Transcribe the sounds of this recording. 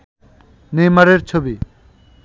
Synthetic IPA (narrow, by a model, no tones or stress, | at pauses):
nejmaɾeɾt͡ɕʰobi